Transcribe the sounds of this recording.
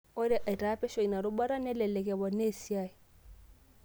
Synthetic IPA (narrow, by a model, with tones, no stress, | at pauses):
ʊ˦ɾɪ˦ʔa˨i˨tʼaː˨˦pʼɛ˦ʃo˨i˨na˨ɾʊ˦ba˦ɾa˦nɛ˦lɛ˨lɛ˨kʼɛ˨bɔ˨ne˦˨si˦aː˨i˨